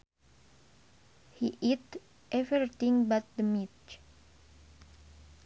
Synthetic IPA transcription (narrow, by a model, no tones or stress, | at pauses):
hiʔit̪ | ʔɛvɾɾit̪ĩŋbat̪̚d̪əmit